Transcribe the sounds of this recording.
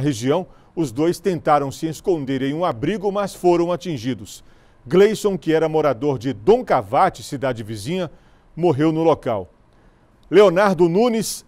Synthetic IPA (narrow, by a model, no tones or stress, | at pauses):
ɦeʒiɐ̃w̃ | ʊzd̪ojst̪ẽnt̪aɾɐ̃w̃sɪeskõnd̪eɾẽj̃ũabɾiɡʊmɐsfoɾɐ̃w̃at͡ʃĩʒid̪ʊs | ɡlejsõw̃kɪɛɾɐmoɾad̪oɾd͡ʒɪd̪õkavat͡ʃɪsid̪ad͡ʒɪvizĩɲɐ | moɦewnʊlokaw | leonaɾd̪ʊnũnis